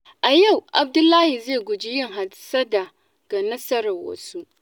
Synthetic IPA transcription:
ʔa˨ja˦˨wʔa̰˨b̚dʊ˦lːaː˦hi˨zeː˦˨ɡʷʊ˨d͡ʒi˦jɪ˦ŋɦa˨sɐ˦da˨ | ɡ̥a˨nɐ˦sɐ˦ɾɐ˨wɐ̰˨su˦

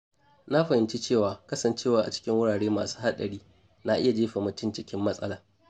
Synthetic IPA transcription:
na˦ɸɐ˨hɪ˨nt͡ʃi˦t͡ʃeː˦˨waː˨kɐ˦sɐ˨nt͡ʃeː˦waː˦ʔa˨t͡ʃɪ̥˦kʲɪ˦ŋwʊ˦ɽaː˨ɽeː˦maː˨su̥ː˦ha˦ɗɐ˨ɽiː˦ | na˦ʔɪ˦ja˨d͡ʒeː˦ɸa˨mʊ˦tɪ˦nt͡ʃɪ˦kʲɪ˦mːɐ˦sʼɐ̰˦laː˨

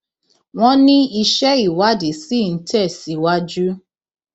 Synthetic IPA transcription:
w̃ɔ̃˦nĩ˦i˧ʃɛ˦i˨wa˦de˨si˦˨n̩˦tɛ˦˨si˨wa˦d͡ʒu˦

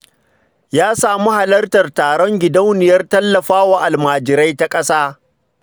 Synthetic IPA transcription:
jaː˦saː˨mu˦ha˨lɐ˦rtɐ˨rtaː˨ɽɔ˦ŋɡʲɪ˨da˦wnɪ˨jɐ˦rtɐ˦lːɐ˨ɸaː˦wa˨ʔa˨lmaː˨d͡ʒɪ˨ɾa˦jta˦kʼɐ˦saː˦

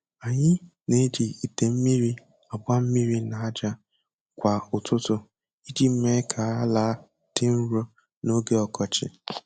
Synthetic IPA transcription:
a˨ɲɪ˦ne˦d͡ʒi˨i˨te˨m̩˦mi˦ɾi˦ | a˨ba˦m̩˦mi˦ɾi˦na˨a˦d͡ʒa˦ | kʷa˨ʊ˨tʰʊ˦tʊ˦ | i˦d͡ʒi˨˦me˦kʰa˨a˦la˦ | d̥ɪ˦n̩˦ɾo˦ | no˦ɡe˦ɔ˨kɔ˨t͡ʃɪ̰˨

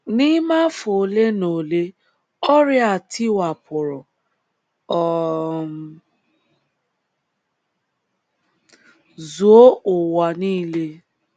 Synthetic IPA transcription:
ni˦ma˦fo˨le˦no˨le˦ | ɔ˦ɾɪ˦a˨tʰi˦wa˨pʰʊ˨ɾʊ˨ | ɔ˨ | zu˨o˦ʊ˨wa˨niː˦le˦

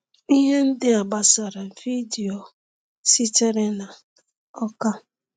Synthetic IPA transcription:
i˦ɦe˦n̩˦dɪ˦a˨ba˨sa˨ɾa˨vi˦di˨o˨ | si˦t͡ʃe˦ɾe˦na˨ | ɔ˦ka˦

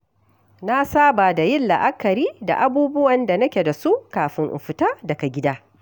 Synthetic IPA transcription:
na˦saː˦ba˨da˨jɪ˦nlɐ̰˨ʔa˦kɐ˨ɾiː˦da̰˨ʔa˦buː˦bʊ˦wɐ˨nda˨nɐ˦kʲe˨da˨su˦ʔkaː˨ɸɪ˦ŋʔɪ̰˨ɸɪ˨taː˦dɐ˨ka˨ɡʲɪ˦daː˦

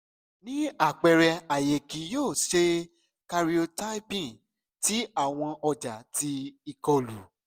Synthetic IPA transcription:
nĩ˦a˦˨k͡pɛ˨ɾɛ˧a˨je˨kĩ˨˦joː˦˨ʃe˧ | ka˧ɾi˦o˧ta˦pĩ˦˨ | ti˨˦a˦˨w̃ɔ̃˧ɔ˧d͡ʒa˨ti˧i˧kɔ˧lu˨˦

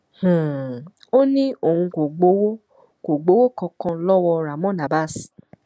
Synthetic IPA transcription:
h̩˨ | o˦nĩ˦o˨hũ˧ko˨ɡ͡bo˨˦wo˦ | ko˨ɡ͡bo˨˦wo˦kɔ̃˧kɔ̃˧lɔ˦wɔ˧ɾa˨mɔ̃˦na˨ba˦˨s

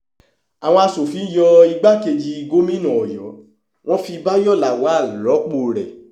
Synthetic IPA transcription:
a˨w̃ɔ̃˧a˧so˨fi˨˧˦jɔ˧i˧ɡ͡ba˦ke˧d͡ʒi˧i˧ɡo˦mĩ˦nɔ̃˨ɔ˨jɔ˨˦ | w̃ɔ̃˦fi˧ba˦jɔ˦˨la˨wa˨˦˨lɔ˨˦k͡po˧ɾɛ̰˨

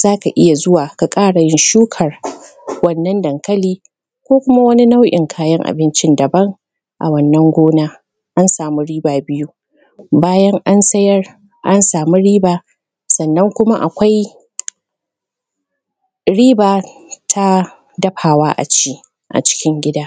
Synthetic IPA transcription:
z̥aː˦ka˨ʔɪ˦ja˨zʊ˦waː˨ka˨kʼaː˦ɽa˨jɪ˦nʃuː˦kʰɐ˨r | wɐ˦nːɐ˦ndɐ˨ŋkɐ˦liː˦ | kʷoː˦kʷʊ˦ma˦wɐ˦ni˦na˦wʔɪ̰˨ŋkʰaː˨jɐ˦ŋʔa̰˨bɪ˦nt͡ʃɪ˦ndɐ˨bɐ˦ŋ | ʔa̰˨wɐ˦nːɐ˦ŋɡʷoː˦naː˦ | ʔa˦nsaː˨mu˦ɽiː˦baː˨bɪ˦ju˦ | baː˦jɐ˦ŋʔa˦nsɐ˦jɐ˦r | ʔa˦nsaː˨mu˦ɽiː˦baː˨ | sɐ˨nːɐ˦ŋkʷʊ˦ma˦ʔa˨kʷa˦j | ɽiː˦baː˨tʰa˦ | dɐ˦ɸaː˨waː˦ʔa̰˨t͡ʃiː˦ | ʔa̰˨t͡ʃɪ̥˦kʲɪ˦ŋɡʲɪ˦daː˦

